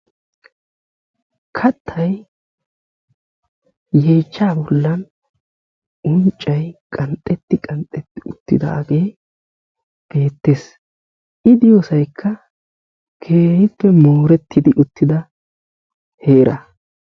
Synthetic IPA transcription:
kʰɐt̪ʰːɐj | je̞ːt͡ʃːaːbɔlːɐn | ʊnt͡ʃʼːɐjkʼɐnt̪ʼːɛt̪ːɪkʼɐnt̪ʼɛt̪ːɪʊt̪ːɪ̰d̪ɐ̰ːɡe̞ː | b̥e̞ːt̪ːe̞s | ʔɪd̪ɪjosɐjkʰːɐ | kʰe̞ːhɪpːɛmo̞ːɾɛt̪ʰːɪd̪ɪʔʊt̪ːɪd̪ɐ | he̞ːɾʔɐ̰

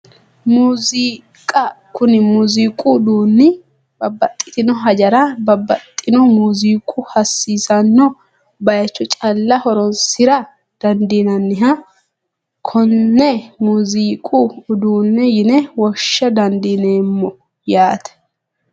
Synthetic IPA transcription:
muːzi | kʼɐkʊnɪmuziːkʼud̪uːnːɪ | bɐbːɐt̪ʼːɪ̥t̪ɪnɔɦɐd͡ʒɐɾɐbɐbːɐt̪ʼːɪnɔmuːziːkʼʊhɐsːiːsɐnːɔ | bɐjɐt͡ʃːɔt͡ʃʼɐlːɐhɔɾɔnsɪɾɐ | d̪̥ɐnd̪iːnɐnːɪɦɐ | kʰɔnːɛmuːziːkʼuːd̪uːnːɛjɪnɛwɔʃːɐd̪ɐnd̪iːneːmːɔ | jaːt̪ɛ̥

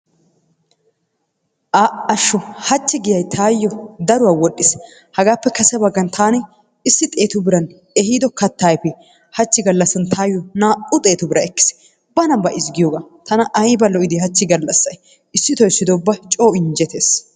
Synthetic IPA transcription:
ʔaːɐʃːɔhɐt͡ʃːɪɡɪjɐjt̪ʰaːjːɔd̪ɐɾʊwaːwɔɗːɪs | hɐɡaːpːɛkɐsɛbɐɡːɐnt̪ʰaːnɪ | ɪsːɪt̪ʼe̞ːt̪ʊbɪɾɐn | ɛhiːd̪ɔkɐt̪ːaːjpɛ | hɐt͡ʃːɪɡɐlːɐsːɐnt̪ʰaːjɔnaːʔʊt̪ʼe̞ːt̪ʊbɪɾɐɛkːɪ̥s | bɐnɐbɐʔɪzɡɪjoːɡaːt̪ɐnɐʔɐjbɐlɔʔɪd̪ɪhɐt͡ʃːɪɡɐlːɐsːɐj | ɪsːɪt̪ɔjsːɪd̪oːbːɐt͡ʃʼo̞ːɪnd͡ʒɛt̪eːs

